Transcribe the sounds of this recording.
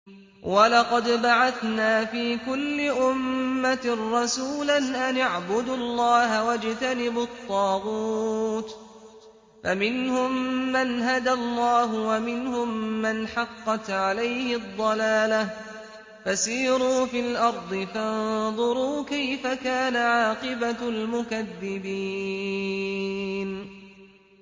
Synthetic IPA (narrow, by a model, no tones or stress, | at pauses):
wɑlɑqɑd̪baʕaθnaːfiːkʊlːɪʔʊmːaɾˤɑsuːlanʔanaʕbʊd̪ʊlˤːɑːɦawad͡ʒt̪anɪbʊt̪ˤːɑːɣuːt̪ | famɪnhʊmːanɦad̪alˤːɑːɦʊwamɪnhʊmːanħɑqːɑt̪ʕalajhɪd̪ˤːɑlaːlah | fasiːɾuːfilʔɑɾˤd̪ˤɨfanðˤʊɾuːkajfakaːnaʕaːqɨbalmʊkaðːɪbiː | n